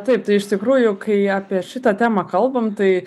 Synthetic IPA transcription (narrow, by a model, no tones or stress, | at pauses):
t̪ɐɪpt̪ɐɪɪʃt̪ʲɪkɾuːjʊkɐɪaːpʲiɛʃʲɪt̪ɐt̪ʲæːmɐkɐlˠbɐmt̪ɐɪ